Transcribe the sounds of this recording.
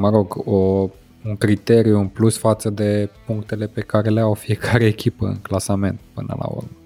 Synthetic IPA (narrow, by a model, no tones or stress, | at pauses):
məɾo̞ɡo | uŋkɾit̪e̞ɾijuɨnplusfat̪səd̪e̞puŋk̚t̪e̞le̞pe̞kaɾe̞leawfije̞kʰaɾeːkʲʰipəɨ̰ŋklasame̞nt̪pɨnə̰la̰ṵrm